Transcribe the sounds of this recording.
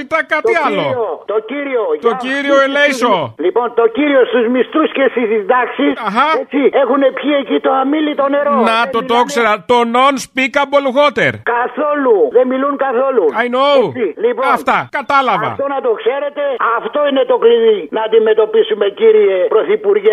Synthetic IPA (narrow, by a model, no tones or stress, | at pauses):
it̪ɐkɐt̪iɐlo̞ot̪ociɾiot̪ociɾio̞elejsolipo̞nt̪o̞ciɾiost̪uzmist̪usce̞st̪izizd̪ɐksisɐxɐet͡sie̞xune̞pçiecit̪oamilit̪o̞ne̞ɾonɐt̪ot̪okseɾɐt̪ono̞nspikɐbolɣo̞t̪ḛɾkɐθo̞luðemiluŋkɐθo̞luɐjnoilipoɐft̪ɐkɐt̪ɐlɐvɐ̰t̪onɐt̪okse̞ɾe̞t̪e̞ɐft̪o̞ine̞t̪o̞kliðinɐːnd̪ime̞t̪o̞pisumeciɾiepɾo̞θipuɾʝe